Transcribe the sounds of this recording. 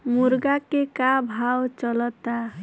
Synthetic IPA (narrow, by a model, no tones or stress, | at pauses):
muɾɡakekabʱawt͡ʃɔlɔt̪a